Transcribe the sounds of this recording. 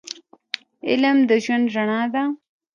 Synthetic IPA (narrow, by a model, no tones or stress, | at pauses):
ɪ̰lmd̪əʒwand̪ʐaɳɑd̪a